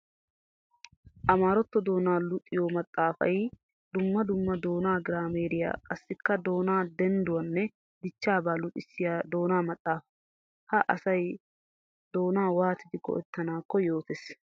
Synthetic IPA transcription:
ʔɐmaːɾɔt̪ːɔd̪o̞ːnaːlʊt̪ʼːɪjomɐt̪ʼːaːfɐ̰j | d̪ʊmːɐd̪ʊmːɐd̪o̞ːnaːɡɪɾaːmeːɾɪja̰ːkʼɐsːɪkːɐd̪o̞ːnaːd̪ɛnd̪ʊwɐnːɛ | d̪ɪt͡ʃːaːbaːlʊt̪ʼːɪsːɪjaːd̪o̞ːnaːmɐt̪ʼːaːfɐ | hɐʔɐsɐj | d̪o̞ːnaːwaːt̪ɪd̪ɪkːɔ̰ʔɛ̰t̪ːɐnaːkːɔjo̞ːt̪es

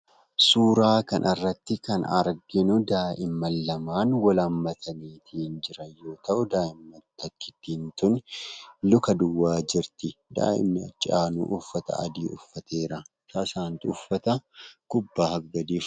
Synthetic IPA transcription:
suːɾaːkɐnʔɐrːɐt̪ːɪkɐnɐ̰ɾɡɪnʊd̪aːʔɪmːɐlːɐmaːnwɐlɐmːɐt̪ʰɐniːt̪ʰiːnd͡ʒɪɾɐjo̞ːt̪ɐʔʊd̪aːʔɪmːɐt̪ːɐkːɪ̥t̪ːiːnt̪ʊnlʊkɐd̪ʊwːaːd͡ʒɪɾt̪ɪd̪a̰ːʔɪ̰mːɐt͡ʃʼaːnṵːʔʊfːɐt̪ɐ̰ɐ̰d̪iːʔʊfːɐt̪ʰeːɾɐ | saːsaːnt̪ɪʊfːɐt̪ɐkʊbːaːhɐɡɐd̪iːf

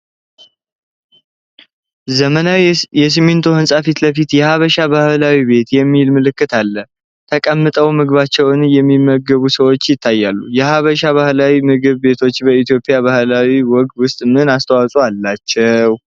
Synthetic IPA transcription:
zəmənawjɛs̬ɨment̪ʰohɨnsʼafit̪ləfit̪jɛhaβəʃaβahlawibe̞t̪jɛmːilmɨlɨkːɨt̪ʰalːə | t̪ʰəkʼəmːɨt̪ʼəwmɨɡɨβat͡ʃːɛwɨnjɛmːimːəɡəβusəwo̞t͡ʃːjɪt̪ʰːajːalːujɛhaβəʃaβahlawimɨɡɨβbe̞t̪ʰo̞t͡ʃːbəit̪jo̞pʼjaβahlawiwɔɡt̪wʊst̪ʼɨmɨɨnast̪ʰəwasʼoalːat͡ʃːɛw

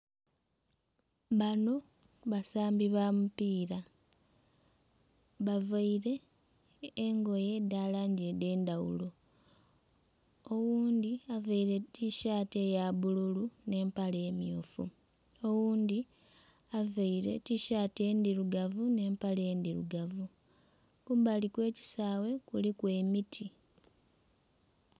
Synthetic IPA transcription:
βano̞ | βasaːmbiβamupiːɾa | βavaiɾe̞ː | ŋɡo̞je̞dalaɲɟede̞ːnd̪awṵlo̞ | owuːnd̪iavaiɾe̞tiʃaːte̞jaβululune̞ːmpale̞ːmjuːfṵ | owuːnd̪i | avaiɾe̞̰tiʃaːte̞ːndiɾuɡavune̞ːmpale̞ːnd̪iɾṵɡavu | kuβalikwe̞ːci̥saːwe̞kulikwe̞mitʰi

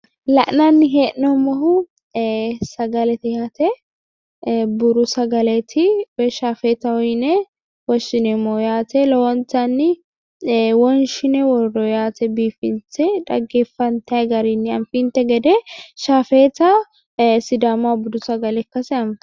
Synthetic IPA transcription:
lɐ̰ʔnanːɪɦeːʔnːɔmːɐɦʊ | sɐɡɐlɛt̪ɪjaːt̪ɛ | bʊɾʊsɐɡɐlɛt̪ʰɪwɛʃaːfeːt̪ɐwɔjnɛ | wɔʃɪnɛmːoːjaːt̪ʰɛlɔwɔnt̪anːɪ | wɔnʃɪnɛwɔrːɔjaːt̪ɛbiːfɪnsɛᶑɐ̰ɡːeːfːɐnt̪ɐɡɐɾinːɪɐ̰nfiːnt̪ɛɡɛd̪ɛʃaːfeːt̪ɐ | sɪd̪aːmabʊd̪ʊsɐɡɐlɛkːɐsɛɐm

